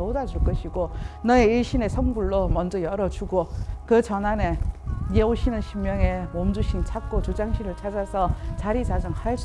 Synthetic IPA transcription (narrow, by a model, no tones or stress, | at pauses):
odad͡ʑuɭk͈ʌɕʰiɡonʌeiɭɕʰine̞sʰʌŋbuɭːomʌnd͡ʑʌjʌɾʌd͡ʑuɡokɯt͡ɕʌnane̞jeoɕʰinɯnɕʰimːjʌŋe̞momd͡ʑuɕʰint͡ɕʰak͈ot͡ɕod͡ʑaŋɕʰiɾɯɭt͡ɕʰad͡ʑasʰʌt͡ɕaɾit͡ɕad͡ʑʌŋhas